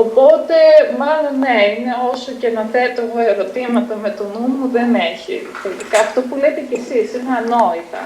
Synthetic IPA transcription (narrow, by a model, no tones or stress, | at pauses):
opo̞t̪e̞mɐlo̞nːeineo̞so̞cenɐtet̪ooeɾo̞t̪imɐt̪ɐme̞t̪onumuðeneçḭ | t̪elt̪ikɐɐft̪o̞pulet̪ece̞sisineɐno̞it̪ɐ̰